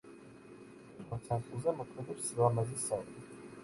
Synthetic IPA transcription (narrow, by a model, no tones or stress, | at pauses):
mɔt̪sʰant̪ʼulˠzɛmɔkʰmɛd̪ɛpsɾamazisai